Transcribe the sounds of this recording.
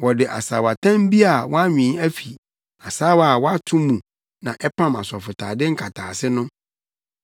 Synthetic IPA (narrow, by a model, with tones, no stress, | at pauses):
wɔ˨dɪ˨ʔa̰˨saː˨wa˨tʰã˦m˦bi˦a˨wɔ˦a˦ɲᶣĩ˨˦æ˦fi˨ | a˨sa˦wa˨wɔ˦a˦tʰũ˦mũ˨ | nã˨ʔɛ˦pʰã˦ma̰˨sɔ˨fʊ˨tʰa̰ː˨dɪ˦ŋ̩˦kʰa˨tʰaː˨sɪ˦nʊ̃˦